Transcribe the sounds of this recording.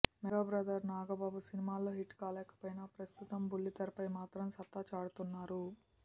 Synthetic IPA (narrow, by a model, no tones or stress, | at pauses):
mɛɡaːbɾaːd̪ɐɾnaːɡɐbaːbusinimaːloːɦiʈːkaːlɛːkɐ̥pojnɐpɾɐst̪ut̪ɐmbulːit̪ɐɾpɐjmaːt̪ɾɐmsɐt̪ːat͡ʃaːɽut̪unːaːɾu